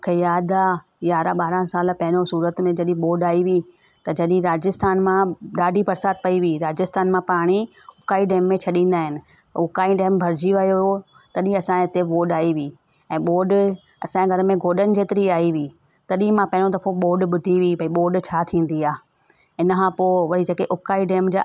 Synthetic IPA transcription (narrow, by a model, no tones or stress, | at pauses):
ʊkʰejaːd̪a | jaːɾaɓaːɾãsaːlpɐ̃ɦɪ̃nosuːɾət̪mẽd͡ʑɐɗĩɓoːɖaːiʋi | t̪ɐd͡ʑɐɗĩɾaːd͡ʑəst̪ʰaːnmãɗaːɖʱipɐɾsaːt̪̚pɐiʋiɾaːd͡ʑəst̪ʰaːnmãpaːɽ̃i | ʊkaːiɖɛːmːẽt͡ɕʰɐɗĩːn̆d̪aːɦɪnɪ̰̆ | ʊkaːiɖeːmbʱɐɾd͡ʑiʋɐjo | t̪ɐɗĩɐsãɪt̪eboːɖaːiʋiː | ɛ̃ːɓoːɾɖ | ɐsãẽɡʱɐɾəmẽɡʱoːɗənɪ̆d͡ʑeːt̪ɪɾiaːiʋiː | t̪ɐɗĩmãpɐ̃ɦɪ̃ɾod̪ɐfʰoɓoːɖɓʊd̪ʱiʋibɐĩɓoːɾɖt͡ɕʰaːt̪ʰĩːn̆d̪iaː | ɪnəkʰãpoːʋɐid͡ʑeːkeʔʊkaːiɖeːmd͡ʑaː